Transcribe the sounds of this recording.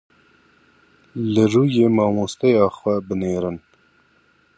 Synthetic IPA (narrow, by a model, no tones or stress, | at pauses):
lɨruːjeːmɑːmoːst̪ɛjɑːxʷɛbɨneːɾɨn